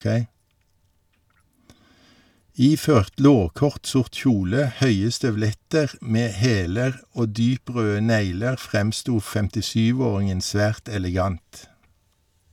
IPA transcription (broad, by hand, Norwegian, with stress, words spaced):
ˈiːføːʁt ˈloːʁkɔʁt ˈsʊʁt ˈçuːlə ˈhœʏə stœʋˈlɛtəʁ ˈmeː ˈheːləʁ ˈoː ˈdyːˌpʁøːə ˈneɪləʁ ˈfʁɛmˌstuː fɛmtɪˈsyːˌʋoːʁɪŋən ˈsʋæːʁt ɛlɛˈɡɑnt